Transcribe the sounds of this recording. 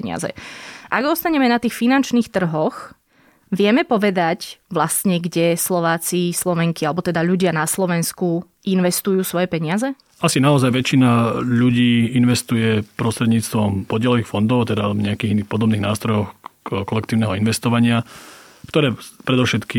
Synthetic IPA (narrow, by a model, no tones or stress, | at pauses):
ɲɪa̰zɛ̰ʔaɡɔst̪aɲɛmɛnat̪iːxfinant͡ʃniːxt̪r̩ɦɔx | ʋɪɛmɛpɔʋɛd̪acʋlast̪ɲɛɡɟɛslɔʋaːt͡sislɔʋɛŋkialɛbɔt̪ɛd̪aʎuɟɪanaslɔʋɛnsku | ʔinʋɛst̪ujuːsʋɔjɛpɛɲɪazɛ | asinaɔzajʋɛt͡ʃinaʎuɟiːinʋɛst̪ujɛpɾɔst̪ɾɛd̪ɲiːt͡st̪ʋɔmpɔɟɪɛlɔʋiːxfɔnd̪ɔʊt̪ɛd̪avɲɛakiːɣiniːxpɔd̪ɔbniːɣnaːst̪ɾɔjɔxkɔlɛk̚t̪iːʊnɛɦɔinʋɛst̪ɔʋaɲɪakt̪ɔɾɛːpɾɛd̪ɔʊʃɛt̪ki